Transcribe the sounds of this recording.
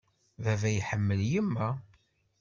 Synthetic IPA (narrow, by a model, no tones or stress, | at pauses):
vævæjħəmːəljimːæ